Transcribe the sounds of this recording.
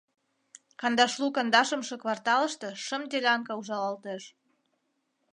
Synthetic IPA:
kɑnd̪ɑʃlukɑnd̪ɑʃə̆mʃɤ̆kβɑrt̪ɑlə̆ʃt̪ɤ̆ʃə̆md̪elʲɑŋkɑuʒɑlɑlt̪eʃ

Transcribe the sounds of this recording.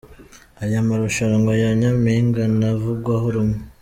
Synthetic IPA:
ajamaɾuʃaɾaŋɡajaɲamiŋɡanavuɡwahoɾumŋe

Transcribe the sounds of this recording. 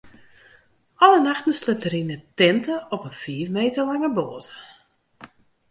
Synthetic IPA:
ɔlənaxtən̩slɪtəɾinətɛntəɔpənfiːfmeːtəlaŋəboːtə̥

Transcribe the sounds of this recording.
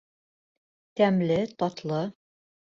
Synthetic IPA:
t̪æmlɘt̪ɒt̪lˠɤ

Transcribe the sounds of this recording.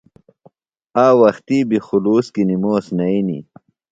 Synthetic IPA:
aːwɐxt̪iːbixuluːskinimoːsnɐinḭ

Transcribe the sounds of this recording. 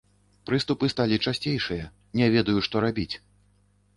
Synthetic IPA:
pɾɨst̪upɨst̪alʲit͡ʂasʲt͡sʲejʂɨjɐ | nʲɛvʲɛd̪ɐjuʂt̪ɔɾabʲit͡sʲ

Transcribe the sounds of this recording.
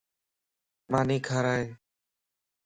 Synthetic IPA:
maːniːkʰaːɾaːɦeː

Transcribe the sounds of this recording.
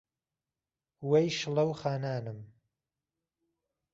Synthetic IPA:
wejʃɨlɐwxaːnaːnɨm

